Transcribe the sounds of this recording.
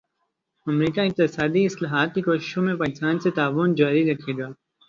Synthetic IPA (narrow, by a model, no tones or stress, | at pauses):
ɐmɾiːkaɪq̚t̪ɪsaːd̪iːɪslaːɦaːt̪̚kikoːʃɪ̥ʃõːmẽpaːkɪsaːnset̪aːʋʊnd͡ʒaːɾiɾəkʰeːɡ̪ɪaː